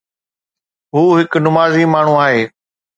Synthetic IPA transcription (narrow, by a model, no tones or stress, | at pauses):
ɦuːɦɪknʊmaːzimaːɳ̤ũaːɦeː